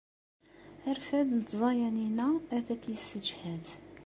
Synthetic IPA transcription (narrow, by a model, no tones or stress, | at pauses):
æɾfæd̪nət̪ːzˤɑjæninææθækjəsːəd͡ʒhæd̪